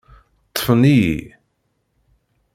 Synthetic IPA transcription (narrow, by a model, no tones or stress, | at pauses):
t̪ˤːə̥fənijḭ